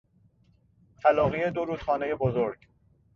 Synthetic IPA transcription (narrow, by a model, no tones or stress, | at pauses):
t̪ʰælɒːɣie̞d̪oɾuːd̪̥χɒːnejebozoɾɟ